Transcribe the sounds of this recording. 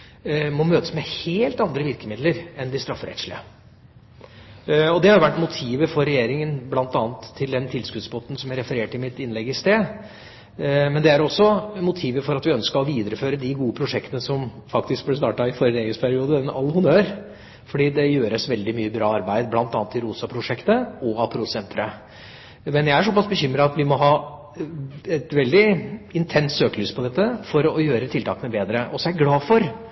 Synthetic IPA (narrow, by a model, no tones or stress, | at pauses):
mɔmøːt̪ə̥smɛheːlt̪ɑnd̪ɾəʋɪɾkəmɪd̪ləɾɛnd̪ɪst̪ɾɑfːɾɛ̰t̪ʂɭɪ̰ə | ɔd̪ɛhɑɾjʊʋæʈːmʊt̪ʰiːʋəfɔɾːɛjeːɾɪŋənblɑnt̪ɑːnt̪ʰːɪld̪ɛnt̪ʰɪlskʉd̪sbɔt̪n̩sɔmæɾɛfəɾeːʈɪmɪt̪ɪnlɛɡɪst̪eː | mɛnd̪ɛæɾɔsːɔmʊt̪ʰiːʋəfɔɾɑt̪ʋɪœnskəɔʋiːd̪əɾəføːɾəd̪ɪɡuːəpʰɾʊʂɛkt̪ənəsɔmfɑkt̪ɪsk̚blɪs̬t̪ɑːʈɑɪfɔɾjəd̪eɡəspʰæɾɪuːd̪əɛnɑ̰lːəhʊnøːɾ | fɔɖiːd̪ɛjøːɾəsʋɛld̪ɪmyːəbɾɑːɑɾbæɪd̪blɑnt̪ɑːnət̪ːɪɾuːsɑpʰɾʊʂɛkt̪əɔɑpʰɾʊsɛnt̪ʰɾə | mɛnjæɪæʂɔpɑsbəçʏmɾɑɑt̪ʋɪmɔɦɑː | ɛt̪ʋɛld̪ɪɪnt̪ʰɛnt̪søːkəlʉːspʰɔd̪ɛt̪ːəfɔɾɔjøːɾət̪ʰɪlt̪ɑːkənəbeːd̪ɾəʔɔsɛæɾɡlɑːfɔɾ